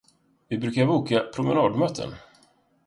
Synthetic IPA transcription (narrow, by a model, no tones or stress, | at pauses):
vɪbɾʉ̟ːkaɾbuːkapʰɾʊmənɑːd̪mœːt̪ʰə̰n